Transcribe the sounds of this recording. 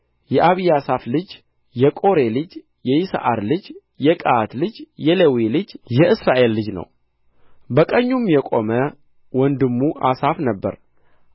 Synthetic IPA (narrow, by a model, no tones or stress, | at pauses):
jɛʔaβijasaflɨd͡ʒ | jɛkʼo̞ɾe̞lɨd͡ʒ | jɛjɪsa̰ʔaɾlɨd͡ʒ | jɛkʼaat̪lɨd͡ʒjɛlewilɨd͡ʒjɛʔɨsɾaʔe̞lːɨd͡ʒnə̰w | bəkʼəɲːumjɛkʼo̞mə | wɔnd̪ɨmːuʔasafnəbːə̰ɾ